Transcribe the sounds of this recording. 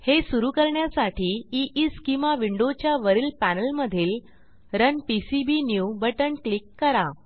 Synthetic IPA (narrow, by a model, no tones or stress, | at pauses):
hesuɾuːkəɾɳjasaʈiːiʔiskĩmʋaʋiɳɖot͡ɕjaʋəɾiːlpænəlməd̪ʱiːl | ɾənpisibinjubəʈənklikːəɾa